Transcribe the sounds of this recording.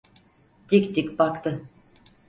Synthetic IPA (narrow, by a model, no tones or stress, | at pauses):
d̪̥ikʲt̪ikʲbakt̪ɯ